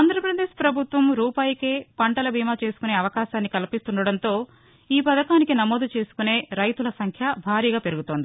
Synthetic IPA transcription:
aːnd̪ɾɐpɾɐd̪eːʃpɾɐbʱut̪ʋɐmɾuːpaːjɐkeːpɐɳʈɐlɐbʱiːmaːt͡ʃe̞ːsu̥kune̞ːɐʋɐkaːʃaːnːikɐlipist̪uɳɖɐɽɐnt̪o̞ː | iːpɐd̪ɐkaːnikinɐmo̞ːd̪ut͡ʃe̞ːsu̥kune̞ːɾɐjt̪ulɐsɐŋkʰjɐbʱaːɾiːɡaːpe̞ɾuɡut̪oːnd̪i

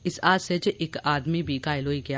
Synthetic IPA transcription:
ɪsaːset͡ʃʔɪkaːd̪mibʱikaːɪloːiɡɐjaː

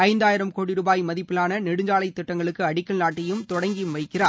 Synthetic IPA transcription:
ɐɪnd̪aːjɪɾɐmkoːɽɪɾuːbaːjmɐðɪpːɯlaːnɐnɛɽɯɲd͡ʒaːlɐɪt̪ːɪʈːɐŋɡɐɭɯkːɯɐɽɪkːɐlnaːʈːɐjɯmt̪ɔɽɐŋɡɪjmʋɐɪkːɪraː

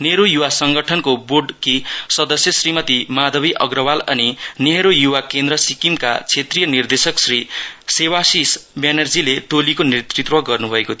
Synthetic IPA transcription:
neɾojuwasʌŋɡʌʈʰʌnkoborɖkisʌd̪ʌsjʌsrimʌt̪imad̪ʱʌbiʔʌɡrʌwalʌ̰nineɦɾojuwakend̪ɾʌsikimka̰t͡sʰet̪rijʌnird̪esʌksrisewasisbenʌrd͡zilet̪olikonet̪rit̪wʌɡʌrnubʱʌekot̪ʰ

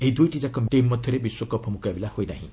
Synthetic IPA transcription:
eɦid̪ujʈid͡ʒakɔmʈimːɔt̪ʰɔɾebiswɔkɔpʰɔmukabilahojnaɦḭ̃

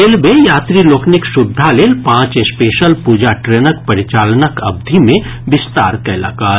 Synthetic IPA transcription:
eːlmẽjaːt̪ɾiloːknɪksʊd̪ʱːaleːlpãːt͡ʃespeːʃəlpuːd͡ʒaʈɾeːnəkpɐɾɪt͡ʃaːlnəkɐb̚d̪ʱimẽbɪst̪a̰ːɾkɐɪla̰ːkaːɾ

